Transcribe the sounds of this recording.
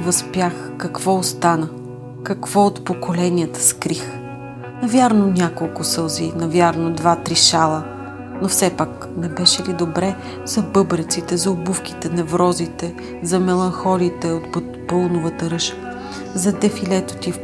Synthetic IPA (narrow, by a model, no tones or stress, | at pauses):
vɐspjax | kɐkv̥ɔost̪anə | kɐkv̥ɔot̪pokolɛniət̪ə̥skɾix | nɐvʲjaɾnonʲakolˠkʊsɤlˠzinɐvʲjaɾnod̪vat̪ɾiʃalˠə | nofsɛpak | nɛbɛʃɛlid̪obɾɛ | zɐbɤbɾət̪sit̪ɛzɐobufk̟i̥t̪ɛnɛvɾɔzit̪ɛ | zɐmɛlˠɐnxɔlit̪ɛot̪ | polˠnʊvət̪əɾɤʃə̥ | zɐd̪ɛfilɛt̪o̥t̪if